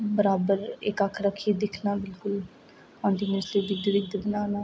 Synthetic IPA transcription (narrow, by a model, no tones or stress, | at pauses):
bəɾaːbəɾɪkəkʰɾəkʰieːd̪ɪkʰnaːbɪlkʊl | ãːnd̪iːmɪsleːd̪ɪd̪ɪɾɪɡd̪bənaːnaː